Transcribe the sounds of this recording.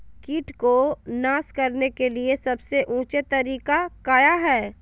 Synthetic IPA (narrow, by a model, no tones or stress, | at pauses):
kiːʈkonaːskɐɾnekeliesɐbseʔũːt͡ʃet̪ɐɾiːkakaːjaɦɛː